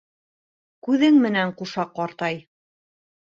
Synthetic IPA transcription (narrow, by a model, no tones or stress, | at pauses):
kʉðɘŋmɘ̆næɴquʃɑqːɒɾt̪ɑj